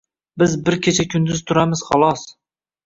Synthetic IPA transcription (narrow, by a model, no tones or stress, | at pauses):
bɪzbɪɾkʲʰet͡ʃʰakʰʲʊnd̪ɪz̥t̪ʰʊɾamɪz̥χɒlˠɒs